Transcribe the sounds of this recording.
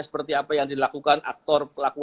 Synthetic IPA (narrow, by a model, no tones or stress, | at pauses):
sə̥pərt̪iapajaŋdilakukanʔa̰k̚t̪ɔrpəlaku